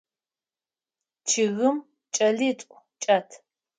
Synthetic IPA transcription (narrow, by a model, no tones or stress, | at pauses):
t͡ʃʰɪɣɨm | t͡ʃʼɐɮiːtʼʷ | t͡ʃʼɐtʰ